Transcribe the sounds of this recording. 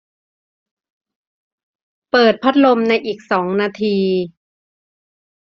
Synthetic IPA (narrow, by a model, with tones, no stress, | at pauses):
pɤː˨˩t̪̚pʰa˦˥t̪̚lo˧mna˧jʔiː˨˩k̚sɔː˩˦ŋnaː˧t̪ʰiː˧